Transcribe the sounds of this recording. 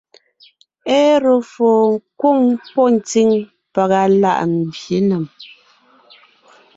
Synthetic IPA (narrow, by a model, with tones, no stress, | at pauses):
ɛ˦ɾo˨foː˨ŋ̩˦kwo˦˨ŋpɔ˦n̩˨ti˦˨ŋ | pa˨ɣa˨la̰˦˨ʔn˨bje˨˦nə˨m